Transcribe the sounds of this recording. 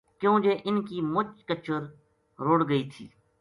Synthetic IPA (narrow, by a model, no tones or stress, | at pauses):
kjõːd͡ʒeːʔɪnkiːmʊt͡ʃkət͡ʃəɾ | ɾoːɽɡəiːt̪ʰḭː